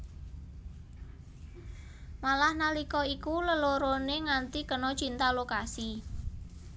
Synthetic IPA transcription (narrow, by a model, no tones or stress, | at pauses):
malahnalikɔikuləloɾoneŋant̪ikənɔ̥t͡ʃint̪alokasi